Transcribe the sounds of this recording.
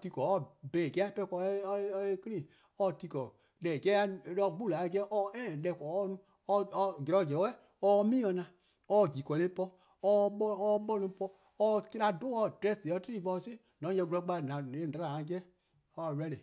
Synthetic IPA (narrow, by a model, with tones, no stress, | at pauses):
ti˧kɔ˨ɔ˦˨bɛ̃˨ɡɛ˦a˦˨pɛ˧˦˧kɔ˧˦˧e˦ki˦nĩ˦˨ | ɔ˦˨ti˧kɔ˨ | lɛ˨ɡɛ˦a˧˨lɔ˧˨ɡ͡bu˦˨la˨˦˨ɡɛ˦ʔɔ˧˦ɛ˦˨lɛ˧˨kɔ˨ɔ˦nũ˦ | ɔ˧ɡɛ˨ɔ˧˦˨ɡɛ˨˦wɛ˦˨ | ɔ˧˦˧mĩː˦ɔ̃˧nã˧ | ɔ˧˨ɡi˨kɔ˨lẽ˨˦pɔ˧ | ɔ˧ɓɔ˦ɔ˧ɓɔ˦nũ˧˦pɔ˧ | ɔ˧ki˦ɾa˧do˦ɔ˧˨dɾɛ˦˨si˨ɔ˧˦ti˦ɾi˦˨vɔ̃˧se˦˨nɔ̃˨˦d͡ʒɛ̃˧ɡu˧˦ɔ˧˦ɡ͡ba˧˨nã˨ẽ˦˨da˨˧ɾã˨a˧˦ɡɛ˦ | ɔ˧˨wɛ˧˦le˨